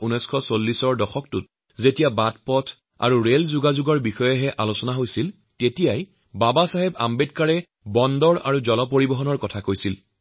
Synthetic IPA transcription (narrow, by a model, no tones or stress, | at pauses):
unɔjskʰɔsolːisɔɹdɔxɔk̚tut̚ | zetijabat̚pɔtʰ | a̰ɹuɹelzuɡazuɡɔɹbixɔjɛɦɛʔalusɔnaɦojsil | tetijaj | babasaɦeba̰mbet̚kaɹɛ | bɔndɔɹa̰ɹuzɔlɔp̬oɹibɔɦɔnɔɹkɔtʰakojsil